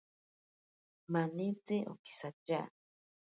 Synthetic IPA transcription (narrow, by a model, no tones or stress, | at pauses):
manit͡seʔo̰ki̥sat͡ʃa̰